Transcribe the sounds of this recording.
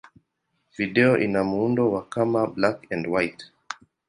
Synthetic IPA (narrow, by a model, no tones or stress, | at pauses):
viɗɛɔʔinamuundɔwakamablakɛ̃ndwajt